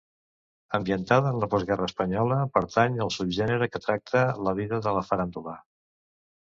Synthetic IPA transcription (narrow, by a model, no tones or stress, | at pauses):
əmbiənt̪aðəːnləpɔzɣɛrəːspəɲɔləpəɾt̪aɲəlˠsubʒɛnəɾəkət̪ɾak̚t̪ʰələβ̞iðəðələfəɾand̪ula